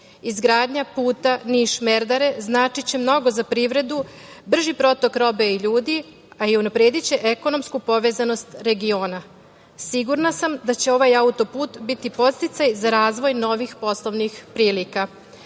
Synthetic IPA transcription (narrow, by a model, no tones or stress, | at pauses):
izɡɾaːd̪ɲapuːt̪aniʃme̞ɾd̪aɾe̞znaːt͡ʃit͡ɕe̞mno̞ɡo̞zapɾiːʋɾe̞d̪ubr̩ʒipɾo̞t̪o̞kɾo̞be̞iʎuːd̪i | aiunapɾeːd̪it͡ɕe̞ʔeko̞no̞mskupo̞ʋe̞zano̞st̪ɾe̞ɡio̞ːna | siɡuɾnasamd̪at͡ɕe̞o̞ʋajaut̪o̞puːt̪bit̪ipo̞t̪st̪it̪sajzaɾaːzʋo̞jno̞ʋixpo̞slˠo̞ʋnixpɾiːlika